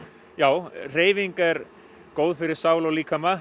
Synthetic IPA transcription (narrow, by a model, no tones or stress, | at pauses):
jaːwr̥eːjviŋkaɛɾ | koːwðfɪɾɪɾ̥saːwlɔwliːkʰama